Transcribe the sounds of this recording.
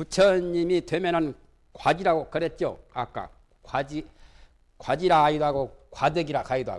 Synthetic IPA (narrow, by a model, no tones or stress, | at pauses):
kut͡ɕʰʌɲimidwe̞mjʌnɯn | kwad͡ʑiɾaɡokɯɾet̚t͡ɕ͈o̰a̰k͈a̰ | kwad͡ʑi | kwad͡ʑiɾaaidoɦaɡokwadɯɡiɾakaidoɦa̰